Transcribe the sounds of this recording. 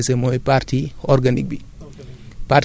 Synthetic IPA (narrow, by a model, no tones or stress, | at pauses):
sɛmoipaɾtiɔɾɡanik̚bi | pa